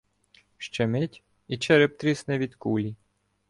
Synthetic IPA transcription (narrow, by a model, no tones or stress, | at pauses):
ʃt͡ʃɛmɪtʲ | it͡ʃɛɾɪp̚t̪ɾʲisnɛʋʲid̪kulʲi